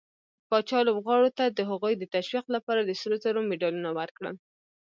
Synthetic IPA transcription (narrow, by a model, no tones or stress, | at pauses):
pɑt͡ʃɑlobɣɑɽot̪ad̪əɦaɣujd̪ət̪aʃwiqlapɑɾad̪əsəlozaɾomeɖɑlunawəɾkɽə̰l